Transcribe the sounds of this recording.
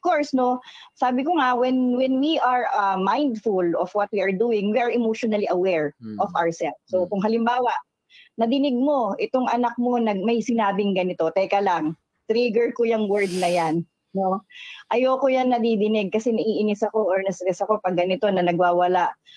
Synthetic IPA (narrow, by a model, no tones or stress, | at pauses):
ʔɔfkoɹsno̞saːbɪkoŋawɛnwɛnwiʔaɹɐmãjnd̪fʊlɔfwɐt̪̚wiɐɹd̪uːɪŋwiːɐɹɛmowʃonɐliʔɐwɛɹʔɔva̰wɹsɛlfsokʊŋɦɐlɪmbaːwɐʔ | nɐd̪ɪnɪɡ̚mo̞ʔɪt̪oŋʔɐnɐk̚mo̞nɐɡ̚mɐjsɪnaːbɪŋɡɐnɪt̪o̞t̪ɛːkɐlaŋ | t̪ɾiɡɛɹkojɐŋwɛɹd̪̚nɐjan | noʔɐjoːkojanːɐd̪id̪ɪnɪɡ̚kɐsɛnɐʔiːʔɪnɪsɐko̞ʔoɹnɐsɾɛsɐko̞pɐɡ̚ːɐnɪt̪o̞nɐnɐɡwaːwɐlaʔ